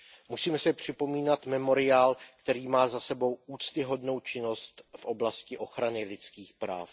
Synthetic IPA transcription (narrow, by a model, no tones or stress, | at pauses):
musiːmɛsɪpr̝̥ɪpo̞miːnat̪mɛmo̞ɾɪaːlkt̪ɛɾiːmaːzasɛbo̞wuːt͡st̪ɪɦo̞dno̞wt͡ʃɪno̞st̪fʔo̞blascɪʔo̞xɾanɪlɪt͡skiːxpɾa̰ːf